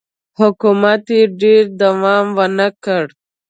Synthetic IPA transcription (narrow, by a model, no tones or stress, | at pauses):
hʊkumat̪eɖeɾd̪awɑmwənəkəɽ